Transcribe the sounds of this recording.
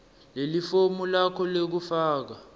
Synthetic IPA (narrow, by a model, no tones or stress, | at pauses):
lelifomulakʰɔlek̬ufaːk̬a